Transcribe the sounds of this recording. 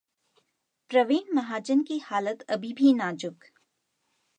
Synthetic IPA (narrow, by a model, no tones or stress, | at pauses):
pɾɐʋeːnmɐɦaːd͡ʒənkihaːlət̪ɐbʱibʱinaːd͡ʒʊk